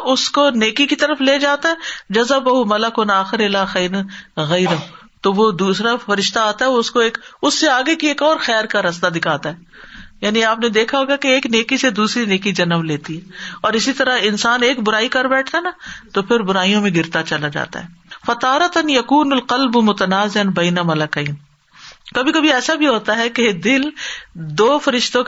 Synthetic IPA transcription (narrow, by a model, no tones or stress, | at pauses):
ʊskoneːkikit̪ɐɾəfleːd͡ʒaːt̪aɦɛd͡ʒɐzəbɐɦumɐləkʊnaːxɪɾɪlaːxɛːɾɐnɣɐɪɾɐɦu | t̪oʋod̪uːsɾafɐɾɪʃt̪aaːt̪aɦɛoʊskoeːkʊsːeaːɡekieːkɔːɾxɛːɾkaɾɐst̪ad̪ɪkʰaːt̪aɦɛː | jaːniaːpned̪eːkʰaɦoːɡakeeːkneːkised̪uːsɾineːkid͡ʒɐnəʋleːt̪iɦɛːɔːɾɪsit̪ɐɾaɦɪnsaːneːkbʊɾaːikɐɾbɛːʈʰt̪aɦɛnat̪opʰɪɾbʊɾaːijõmẽɡɪɾt̪at͡ʃɐlad͡ʒa̰ːt̪a̰ɦɛːfɐt̪aːɾɐt̪njɐkuːnʊlqɐlbmʊt̪ɐnaːzeɐnbɐɪnɐmɐlɐkɐːn | kɐbʱikɐbʱiɛːsabʱiɦoːt̪aɦɛked̪ɪld̪oːfɐɾɪʃt̪õ